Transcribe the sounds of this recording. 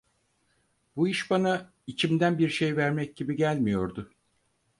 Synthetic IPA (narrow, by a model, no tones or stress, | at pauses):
buiʃbana | it͡ʃʰimd̪ænbiɾʃe̞jvæɾmɛc̚ɟibiɟælʲmijo̞ɾd̪ʊ